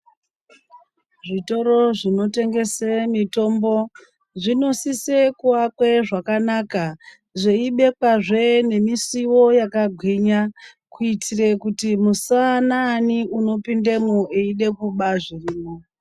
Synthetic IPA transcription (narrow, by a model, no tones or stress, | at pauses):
ʐito̞ɾo̞ʐino̞te̞ŋɡe̞semito̞mbo̞ | ʐino̞sise̞kuwakwe̞ʐakanaka | ʐeiɓe̞kwaʐe̞ne̞misiwo̞jakaɡʱwiɲa | kuitʰirekutimusananiuno̞pindemuʔeiɗe̞kuɓaʐiriːmo